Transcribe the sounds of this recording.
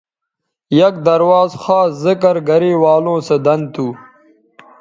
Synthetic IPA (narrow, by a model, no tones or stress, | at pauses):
jɐk̚d̪ɐɾwaːzxaːszəkɐɾɡɐɾiːwaːlõːsed̪ɐnd̪t̪ʰuː